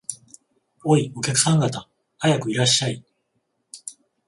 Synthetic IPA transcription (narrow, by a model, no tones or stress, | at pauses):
oio̞kʲakɯ̟̥sãŋɡat̪a | hajakɯ̟iɾaɕːai